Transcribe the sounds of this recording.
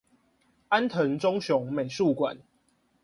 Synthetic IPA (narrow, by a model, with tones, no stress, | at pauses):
a˦nt̪ʰə˨˦ŋt͡sɔ˦ŋɕjɔ˨˦ŋme˨˩ɪʂu˥˨kwa̰˨˦n